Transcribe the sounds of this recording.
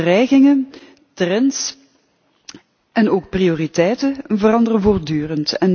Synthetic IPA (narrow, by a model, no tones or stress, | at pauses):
rɛjɣɪŋə | trɛns | ɛnoːk̚prioːritɛjtəvərɑndərəvoːrdyːrəntɛn